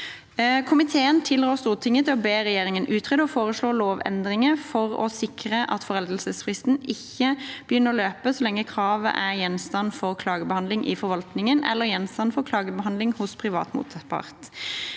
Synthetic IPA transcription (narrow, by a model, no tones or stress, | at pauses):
kʰʊmɪt̪ʰeːənt̪ʰɪlʁoːst̪uːʁt̪ʰɪŋːət̪ʰɛɔbeːʁɛjeːʁɪŋənʔʉːt̪ʰʁɛd̪ɔfoːʁəsɭoːloːʋɛ̰nd̪ʁɪŋəfɔʁɔ̰sɪkʁəʔɑt̪fɔʁɛld̪əlsəsfʁɪst̪nɪçːəb̥əjʏnːəʁɔløːpəsɔlɛŋːəkʰʁɑːʋə̰ʔæʁjɛnst̪ɑnfɔʁkʰlɑːɡəbəhɑnd̪lɪŋʔɪ̰fɔɾʋɑlt̪nɪŋənɛ̰lːəʁjɛnst̪ɑnfɔʁkʰlɑːɡəbəɦɑnd̪lɪŋhʊspʰʁɪʋɑ̰ːt̪mṵːt̪ɑt̪pʰɑ̰ʁt̪